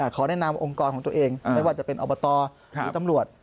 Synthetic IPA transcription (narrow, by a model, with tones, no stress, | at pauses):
aː˨˩kʰɔː˨˩˦ɾaː˥˩jna˧mʔo˧ŋkɔː˧nkʰɔ˩˦t̪u˧ʔeː˧ŋa˧˥˩jwaː˥˩t͡ɕa˨˩pe˧nʔɔː˧bɔː˧t̪ɔː˧ | ɯ˦˥t̪a˧mɾu˨˩ət̪̚